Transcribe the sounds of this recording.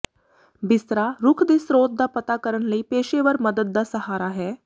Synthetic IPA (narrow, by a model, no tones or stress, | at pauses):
bɪst̪ɾaːɾʊkʰd̪eːsɾoːt̪̚d̪aːpət̪aːkəɾənləiːpeːʃeːʋəɾməd̪əd̪̚d̪aːsəhaːɾaːɦɛː